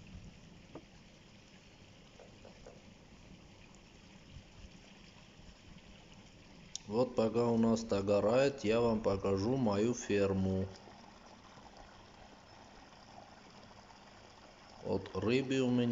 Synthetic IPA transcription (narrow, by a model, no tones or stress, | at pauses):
vot̪̚pɐkaʊnast̪ɐɡɐɾajɪt̪javampɐkaʐumɐjufʲiermʊ | o̰t̪rɨbɨʊmʲɪnʲ